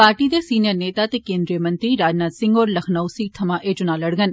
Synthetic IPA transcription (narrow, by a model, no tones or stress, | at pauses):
paːɾʈid̪esiːnijəɾneːt̪aːt̪ekẽːnd̪ɾijəmɐnt̪ɾiɾaːd͡ʒnaːd̪sɪ̃ŋɡoːɾlɐxʰnəwsit̪ʰɐmãːʔeːd͡ʒʊnaːləɽɡən